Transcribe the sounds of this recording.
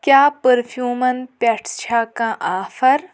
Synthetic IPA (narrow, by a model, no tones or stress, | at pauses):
kjaːpəɾpʰjuːmən̚pɛːʈt͡ʃʰaːkãʔaːfəɾ